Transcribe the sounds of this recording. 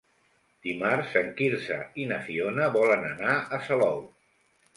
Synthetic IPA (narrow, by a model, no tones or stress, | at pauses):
d̪̥imarzəŋkiɾzə̰inəfionəβɔlənənaəsəlɔw